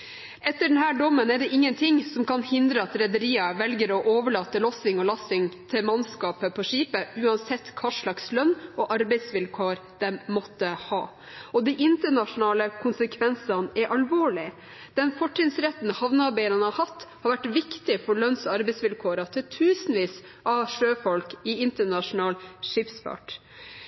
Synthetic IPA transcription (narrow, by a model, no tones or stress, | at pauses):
ɛt̪ːəɖɛnɦæːɖɔmːənæɖɛʔɪŋːənt̪ʰɪŋsɔmkɑnhɪnd̪ɾəɑt̪ɾɛd̪əɾiːɑʋɛlɡəɾɔʔoːʋəɭɑːt̪ːəlɔsɪŋɔlɑsɪŋt̪ʰɪmɑnskɑːpəpʰɔʂiːpəʉːɑnsɛt̪ːkʰɑːʂɭɑkslœnɔʔɑɾbɛɪsʋɪlkʰoːɾd̪̥ɛmmɔt̪ːəhɑ̰ː | ɔd̪iʔɪnt̪əɳɑʂʊnɑːləkʰʊnsəkʰʋɛnsɑnɛɾʔɑlʋoːɭɪ | d̪̥ɛnfɔʈːɪnsɾɛt̪ːn̩hɑʋnəɑɾbæɪənənhɑɾhɑt̪ːhɑɾʋæʈʋɪkt̪ɪfɔɾɭœnsɑɾbɛɪsʋɪlkʰoːɾɑt̪ʰɪlt̪ʰʉːsnʋiːs | ʔɑʂøːfɔlkɪɪnt̪əɳɑʂʊnɑːlʂɪpsfɑ̰ʈ